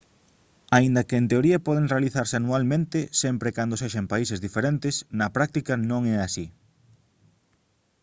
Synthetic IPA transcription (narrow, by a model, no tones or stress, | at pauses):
aind̪ɐkeːnt̪eoɾiɐpɔð̞eŋrealiθaɾseanualmẽnt̪ɪsɛmpɾekand̪oseʃɐmpaisezðifeɾent̪ɪsnɐpɾak̚t̪ikɐnõŋɛasi